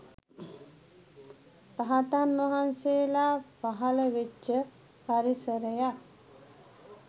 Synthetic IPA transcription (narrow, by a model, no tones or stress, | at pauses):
paɦat̪anʋaɦanseːlapaɦaləʋet͡ʃːə | paɾisəɾəja